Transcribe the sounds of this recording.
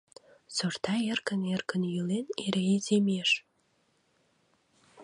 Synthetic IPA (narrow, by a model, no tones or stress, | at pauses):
sort̪ɑerkənerkənjyleneɾeezemeʃ